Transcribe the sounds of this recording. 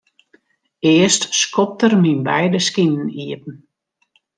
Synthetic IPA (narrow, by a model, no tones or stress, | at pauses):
ɪəstskɔp̚tərminbɛjdəskinn̩iəpn̩